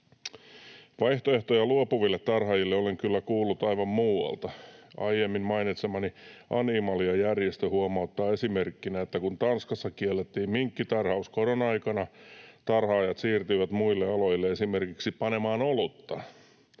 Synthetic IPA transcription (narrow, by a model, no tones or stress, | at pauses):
ʋɑiht̪oe̞ht̪ojɑluopuʋilːet̪ːɑrhɑjilːeoleŋkylːækuːlːut̪ɑiʋɑmmuːwɑ̰lt̪ɑɑijemːimmɑinit̪semɑniʔɑnimɑliɑjærjest̪øhuomɑut̪ːɑːesimerkːinæet̪ːækunt̪ɑnskɑsːɑkielːet̪ːiːmmiŋkːit̪ɑrhɑuskoɾonɑikɑnɑt̪ɑrhɑːjɑt̪siːrt̪yiʋæt̪muilːeɑlojilːeesimerkiksipɑne̞mɑːnolut̪ːɑ